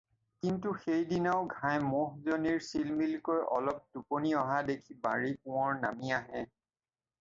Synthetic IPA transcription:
kintuxejdinaʊɡʱajmɔɦzoniɹsilmilkojɔ̰lɔp̚duponiɔɦadekʰiba̰ɹip̚ʊ̃ɔɹna̰miaɦɛ

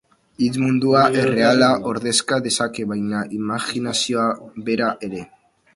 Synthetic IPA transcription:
it͡smund̪uaʔere̞alaʔo̞ɾðe̞skaðe̞sake̞βajnaʔimaxinasioaβe̞ɾaʔe̞ɾe̞

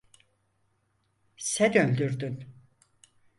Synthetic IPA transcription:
sɛd̪ølʲd̪yɾd̪yn

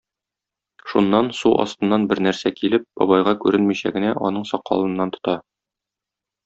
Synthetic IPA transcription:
ʃunːɑnsuʔɒ̰st̪ɤ̆nːɑnbɘɾnæɾsækilɘp̚bɒ̰bɑjʁɑkʉɾɘnmiɕæ̰ɡɘ̆næʔɒn̪ɤɴsɒqːɒ̰lˠɤ̆nːɑnt̪ŏ̥t̪ɑ

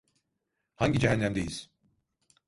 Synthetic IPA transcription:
haɲɟid͡ʒɛɦænːæmd̪ejiz̥

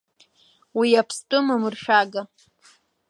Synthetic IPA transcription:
wijapʰstʼɨmamɨrʃᶣaɡa

